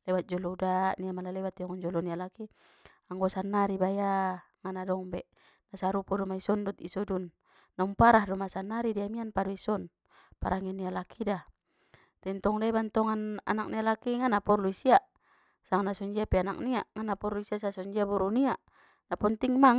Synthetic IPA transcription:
lɛbat̪̚d͡ʒɔlɔudaʔniamalalɛbat̪iɔŋand͡ʒɔlɔnialaki | aŋɡɔsanːaɾibaja | ŋanadɔŋbɛʔ | nasaɾupɔdɔmaisɔndɔt̪ḭsɔdunː | ɔŋpaɾahdɔmasanːaɾidiamianpadɔisɔn | pa̰ɾʔaŋɛnialakʰida | t̪ɛnt̪ɔŋlɛbant̪ɔŋana̰nak̚nialakiŋanapɔrluisiaʔ | saŋanasɔɲd͡ʒiapɛana̰k̚niaʔŋanapɔrluisiaʔsasɔɲd͡ʒiabuɾuniaʔ | napɔnt̪iŋmaŋ

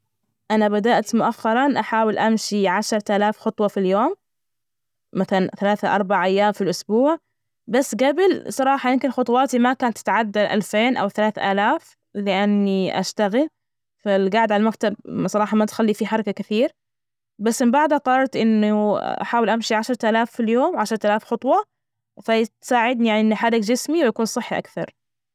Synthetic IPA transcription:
ʔanabad̪aʔt̪mʊʔaxːɑɾˤɑnʔaħaːwɪlʔamʃiʕaʃɾˤʔaːlaːfxʊt̪ˤwɑfiljoːm | aθalanθalaːθaʔɑɾˤbaʕʔajːaːmfilʔʊsbuːʕ | basːɡabɪlsˤɑɾˤɑːħɑjɪmkɪnxʊt̪ˤwɑːt̪imakaːnat̪ːɪt̪ʕad̪ːalʔa̰lfeːnʔa̰wθalaːθʔaːlaːf | lɪʔanːiʔa̰ʃt̪aɣɪl | falɡaʕɪd̪ʕalamakt̪absˤɑɾɑːħɑmat̪xalːifiħɑɾˤɑkakɪθiːɾ | basːmɪmbaʕd̪haqɑɾˤɑɾˤt̪ʔɪnːuʔa̰ħaːwɪlʔamʃiʕaʃɾˤt̪aːlaːfːiljoːmʕaʃɾˤt̪alaːfxɑt̪ˤwɑ | fat̪saːʕɪd̪̚nijaʕniʔɪnːħadɪkd͡ʒɪsmiwɪjakuːnsˤɨħːiʔa̰kθɑ̰ɾˤ

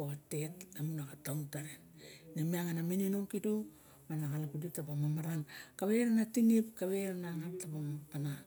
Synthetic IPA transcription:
oatetamunakatauntaɾennamiaŋanamininomkidu | manakalakudip̚tapamamaɾankaβeɾanatinipkaβeɾanaŋap̚tapamapana

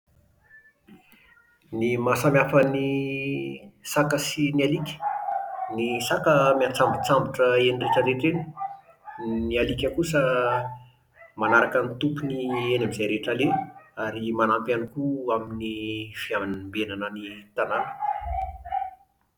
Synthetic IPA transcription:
nimasamjafəni | sakəsinialikʲə̥ | nisakəmiat͡sambut͡sambuʈ͡ʂəenireʈ͡ʂəɾeʈ͡ʂeni̥ | nialikʲəkusə | manaɾakənit̪upunienamizajɾeʈ͡ʂaleaɾimanampanikuaminifiaminmbenanənit̪ananə̥

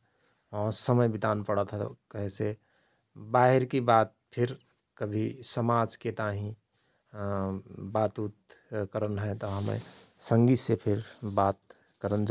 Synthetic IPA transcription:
ɔɾsəməjbɪd̪ʱaːnpəɽət̪ʰa̰kəɦẽse | baːɦɪɾkibaːt̪̚pʰɪɾ | kəbʱisəmaːd͡ʒket̪aɦĩ | bat̪ut̪kəɾənɦɛt̪ɔɦəmḛ̃sə̃ŋɡisepʰɪɾbaːt̪ | kəɾənd͡ʒ

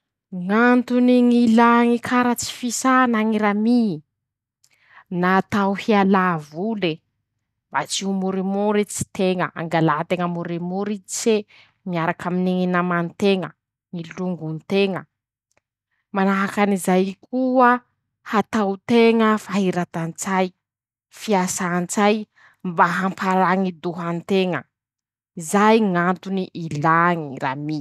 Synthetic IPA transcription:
ŋant̪uniŋilaŋikʰaɾət͡si̥fisanaŋiɾami | naːt̪awhialavule | bat͡siumuɾimuɾit͡si̥t̪eŋəʔa̰ŋɡalat̪eŋəmuɾimuɾit͡se | miaɾakaminiŋinamant̪eŋə | ŋiluŋɡunt̪eŋə | manaɦakanizajkʰuə | hat̪awt̪eŋəfaɦiɾat̪ant͡saj | fiasaːnt͡saj | mbaɦampʰaɾaŋid̪uɦant̪eŋə | izajŋant̪uniʔilaŋiɾa̰mi

